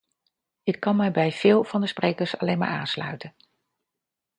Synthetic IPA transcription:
ɪkːɑnmɛjbɛjv̥ɪːlˠv̥ɑndəsprejkəɹsɑlejnma̰ːɹa̰ːnslœ̰ɥtən

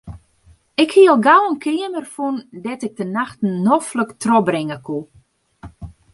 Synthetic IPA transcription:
ɪkhiəlˠɡawənkʰɪəmərfundɛtɪk̚dənaxtn̩ːɔfləktrɔbɾɪŋəkʰu

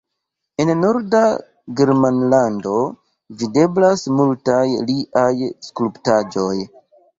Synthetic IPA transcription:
e̞nno̞ɾda | ɡeɾmanlando̞ | vide̞blasmultajliʔajskluptad͡ʒo̞j

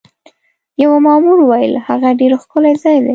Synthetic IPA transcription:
jawamɑmuɾwajə̰lhaɣaɖeɾxkolazɑjd̪e

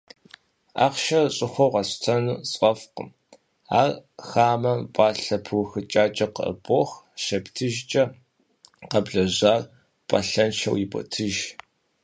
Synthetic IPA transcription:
a̰ːqʃɐɕʼɪxʷɔwʁɐɕtʰɐnuːsʼqʼɐfqə̰m | aːrxaːmɐmpʼaːɬɐpʰɨwʊxɨt͡ʃʼaːt͡ʃʼɐqə̰ʔə̰boːx | ʃɐptʰɨʒt͡ʃʼɐ | qɐbɮɐʑaːr | pʼɐ̰ɬɐnʃɐ̰wjiɪbʷʼɔ̰tʰɨʒ

